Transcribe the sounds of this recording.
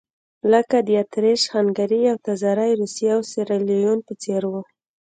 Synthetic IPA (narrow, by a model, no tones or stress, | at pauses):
ləkad̪əat̪ɾeʃxaŋɡaɾiawt̪azaɾajɾusjawseɾalijunpət͡seɾwu